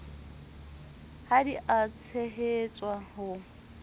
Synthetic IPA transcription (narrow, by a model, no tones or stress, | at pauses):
hadiʔat͡sʰeɦet͡sʼwahʊ